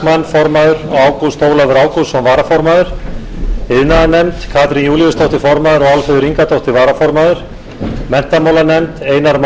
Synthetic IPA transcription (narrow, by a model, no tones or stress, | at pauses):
manfɔɾmaðʏɾɔaːwkuðst̪oːwlavɪɾaːwkuðsɔmvaːɾafɔɾmaðʏɾ̥ | ɪðnaðanɛmt̪kʰaːt̪ɾinjuːliʏst̪ʰowht̪ɪfɔɾmaðʏɾɔɣalfɛðʏɾiŋkat̪ʰowht̪ɪɾvaːɾafɔɾmaðʏɾ̥ | mɛn̥t̪amawlanɛmt̪eːjnaɾm